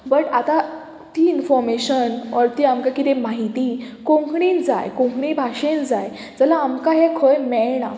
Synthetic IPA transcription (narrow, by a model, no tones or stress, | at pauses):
bəʈat̪a | t̪iːinfɔɾmeɕənɔɾt̪iːamkakit̪emaɦit̪iː | kõŋkɳind͡za̰jkõŋkɳibʱaʂẽnd͡zaj | d͡zəlaːmkaɦekʰəjmɛɭɳa̰